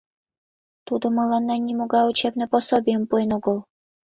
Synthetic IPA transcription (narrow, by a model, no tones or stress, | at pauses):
t̪ud̪ŏmɤ̆lˠɑnːɑnʲimoɡɑut͡ɕebnɘ̆posobʲijə̆mpuenuɡɤ̆lˠ